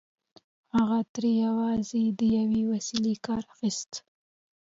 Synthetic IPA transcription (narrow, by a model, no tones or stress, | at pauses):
haɣat̪ɾejawɑzed̪əjawewasilekɑɾaxist̪